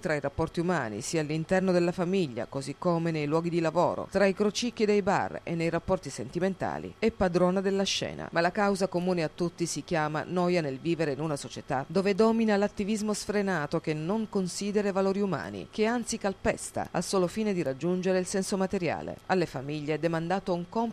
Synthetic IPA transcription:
t̪ɾaiɾapːɔrt̪iumaːnḭsiːaːlːint̪ɛrnod̪elːafamiʎːa̰kozikːoːmenejlwɔːɡid̪ilavo̰ːɾo̰t̪ɾaikɾot͡ʃik̟ːid̪ejba̰rḛnːejrapːɔrt̪isent̪iment̪a̰ːlḭɛpːad̪ɾɔːnad̪elːaʃːɛ̰ːna̰malakawzakomuːneat̪ːut̪ːisik̟jaːma̰nɔːjanelviːveɾeinunasot͡ʃet̪a̰d̪oːved̪ɔːminalat̪ːivizmosfɾenaːt̪okenːoŋkonsiːd̪eɾevaloːɾiuma̰ːnḭk̟eant̪sikalpɛ̰st̪a̰a̰lsoːlofiːned̪iɾad͡ʒːund͡ʒeɾeilsɛnsomat̪eɾja̰ːlḛalːefamiʎːeɛd̪ːemand̪aːt̪ouŋkɔm

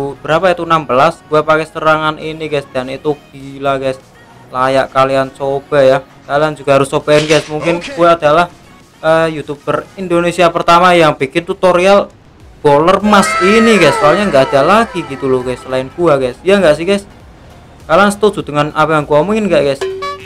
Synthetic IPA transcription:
b̥əɾapait̪unambəlasɡ̥uapakɛst̪əɾaŋanʔinikasd̪̥anit̪ub̥̚ilakas | laja̰ʔkaliant͡ʃob̥a̤jah | kaliand͡ʒuɡ̥a̤ɦaɾʊsob̥aɪnkasmuŋkɪnkuaːd̪̥a̤lah | ʔəjut̪ub̥ərind̪onesiapərt̪amajaŋb̥i̤kɪnt̪ut̪oɾial | b̥olərmasinikasoalɲaŋɡaʔad̪̥a̤laɡ̥iɡit̪ulɔkasəlaɪnkuakasjaŋɡaʔsikas | kaliansə̥t̪u̥d͡ʒ̥ṳd̪̥əŋanapajaŋkuwamuŋkɪnkaʔkas

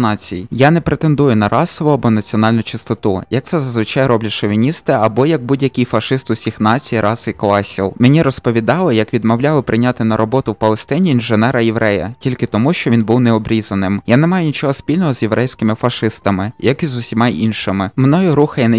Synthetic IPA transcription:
nɑt͡sʲijjanɛpɾet̪end̪ujʊnɐɾʔɑsɔʋʊɐbɔnɐt͡sʲiɔn̪ɑlʲnʊt͡ʃɪst̪ɔt̪ujɐkt̪sɛzɐzʋɪt͡ʃɑjɾɔblʲɐʃɔʋʲinʲist̪ɪɐbɔjɐɡ̚budʲjɐkʲijfɐʃɪst̪ʊsʲixnɑt͡sʲijiɾʔɑsiklˠɑsʲilˠmenʲiɾɔspɔʋʲid̪ɑlˠɪjɐkʋʲid̪mɔwlʲɑlˠɪpɾɪnʲat̪ɪnɐɾɔbɔt̪ʊwpɐlˠest̪ɛnʲiːnʒenɛɾɐjɛʋɾɛjɐ̰tʲilʲkɪt̪ɔmuʃt͡ʃɔʋʲinbuwnɛɔbɾʲizɐnɪmjanɛmɑjʊnʲit͡ʃɔɦɔsʲpʲilʲnɔɦɔzʲjeʋɾʔɛjsʲkɪmɪfɐʂɪst̪ɐmɪjɐkizʊsʲimɑinʃɪmɪmnɔjʊɾuxɐjɛn

